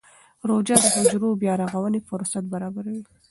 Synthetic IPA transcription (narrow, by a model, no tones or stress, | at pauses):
ɾod͡ʒɑd̪əhʊd͡ʒɾobjɑɾaɣawənefʊɾsat̪̚baɾɑbaɾawi